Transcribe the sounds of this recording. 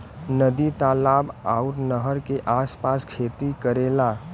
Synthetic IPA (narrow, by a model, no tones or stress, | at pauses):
nəd̪it̪aːlaːbaʊɾnəɦəɾkeʔaːspaːskʰeːt̪ikəɾeːlaː